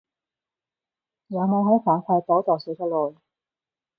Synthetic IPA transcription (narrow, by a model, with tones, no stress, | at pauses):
jɐ˨˧wmo˨˧wɦo˨˥wfʰaː˨˥ŋkʰaː˧t̪o˨˥t̪ɔː˨˩jsi˨˥t͡ʃʰɔ˥lɔː˨˩j